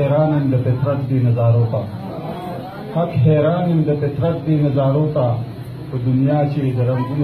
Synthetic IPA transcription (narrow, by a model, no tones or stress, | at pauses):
eːɾaːnɐnd̪ɐpet̪ɾɐkd̪iːnɐzaːɾoːt̪a | hɐkɦeːɾaːnɐnd̪ɐpet̪ɾɐk̚d̪iːnɐzaːɾoːt̪a | pəd̪unjaːt͡ɕeːd̪ɐɾɐŋɡun